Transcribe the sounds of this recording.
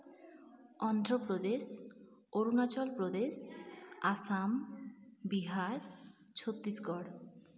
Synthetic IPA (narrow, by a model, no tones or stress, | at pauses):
ɔnd̪ɾɔpɾod̪esoɾunat͡ʃɔlpɾod̪esasam | biɦaɾ | t͡ʃʰot̪ːisɡɔɽ